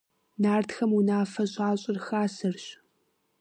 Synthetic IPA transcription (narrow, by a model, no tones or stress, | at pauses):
naːrtʰxɐmunaːfɐɕʼaːɕʼɪrxaːsɨrɕ